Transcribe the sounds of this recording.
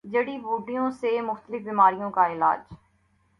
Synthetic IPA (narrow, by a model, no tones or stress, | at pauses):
d͡ʒɐɽibuːɖijõsemʊxt̪əlɪfbɪmaːɾijõkaɪla̰ːd͡ʒ